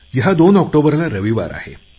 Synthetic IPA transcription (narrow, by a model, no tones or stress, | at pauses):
jiɦad̪onɔk̚ʈobəɾlaɾəʋiʋa̰ɾa̰hḛ